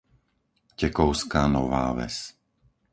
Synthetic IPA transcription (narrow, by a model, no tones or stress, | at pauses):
cɛkɔʊskaːnɔʋa̰ːʋɛ̰s